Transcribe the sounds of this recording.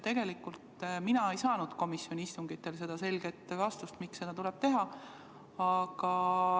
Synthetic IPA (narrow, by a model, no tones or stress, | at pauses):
t̪e̞ɡ̥e̞likult̪minɑe̞jsɑːnud̪̥ko̞misjo̞nʲiist̪uŋɡ̥it̪ːe̞lse̞d̪̥ɑse̞lɡ̥e̞t̪ːˑvɑst̪ust̪mikse̞d̪ɑt̪ulɛb̥̚t̪e̞ɦɑ | ɑɡ̥ɑ